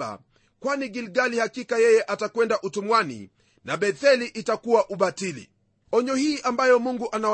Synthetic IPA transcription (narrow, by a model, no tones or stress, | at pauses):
a̰ | kwaniɡilɡalihakikajɛjɛʔatakwɛndaʔutumwanḭ | naɓɛθɛliʔitakuwaʔuɓatilḭ | ɔɲɔhiːʔambajɔmuŋɡuʔana